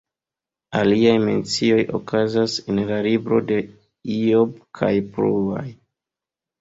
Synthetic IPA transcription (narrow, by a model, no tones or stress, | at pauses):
aliajment͡sio̞jo̞̰kʰazasenlalibɾo̞̰de̞ | iobkʰa̰jpɾua̰j